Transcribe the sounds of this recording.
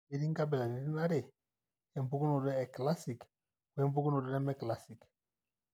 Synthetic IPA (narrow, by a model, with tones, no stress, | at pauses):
i˨ɾi˦ŋɡa˦bɛ˨la˨ni˨˦ɾi˦na˦ɾe˨ | ɛ˨m˨bu˦ku˦nɔ˨ɾɛ˦ɛ˨kla˦si˨k | wɛ˦mbu˦ku˦nɔ˨ɾɛ˦ɾɛ˦mɛ˦kla˦si˨k